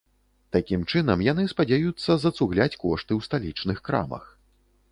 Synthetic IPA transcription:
t̪akʲimt͡ʂɨn̪ɐmjanɨspad͡zʲajut̪sːɐzɐt̪suɣlʲat͡sʲkɔʂt̪ɨwst̪alʲit͡ʂnɨxkɾa̰mɐ̰x

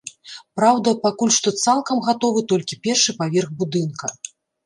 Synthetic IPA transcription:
pɾawd̪ɐpakulʲʂt̪ɔt̪salˠkɐmɣat̪ɔvɨt̪ɔlʲkʲipʲɛrʂɨpavʲɛrɣbud̪ɨnkɐ

